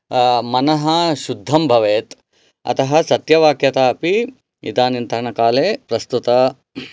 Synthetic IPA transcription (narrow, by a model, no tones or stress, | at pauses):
mɐnɐɦɐ̆ʃud̪ʱːɐmbʱɐʋeːt̪ | ɐ̰t̪ɐɦɐ̆sɐt̪jɐʋaːkjɐt̪aːɐpi | ḭt̪aːnint̪ɾɐɳɐkaːleːpɾɐst̪ut̪ɐ